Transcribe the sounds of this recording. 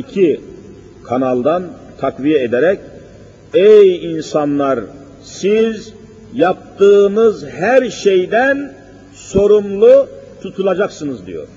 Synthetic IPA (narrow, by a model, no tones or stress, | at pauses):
icʰi | kʰanalˠd̪an | t̪ʰakvijɛed̪eɾɛc | ejinsanlˠaɾ | siz | jap̚t̪ɯːnɯzɦæɾʃejd̪æn | so̞ɾumlˠut̪ʰut̪ʰulˠad͡ʒaksɯnɯzd̪ḭjo̰ɾ̥